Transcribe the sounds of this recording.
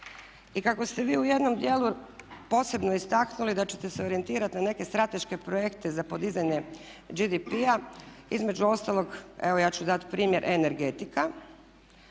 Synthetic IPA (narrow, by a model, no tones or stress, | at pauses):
ikako̞st̪e̞ʋiːuje̞d̪no̞md̪je̞lupo̞ːse̞bno̞ist̪aknulid̪at͡ɕe̞̥t̪ese̞o̞ɾient̪iːɾat̪inane̞ke̞st̪ɾat̪e̞ʃke̞pɾojekt̪e̞zapo̞d̪izaɲe̞ | d͡ʒid̪ipiaḭzme̞d͡ʑuo̞st̪alˠo̞ɡeʋo̞jaːt͡ɕud̪at̪pɾiːmje̞ɾʔene̞ɾɡe̞t̪ika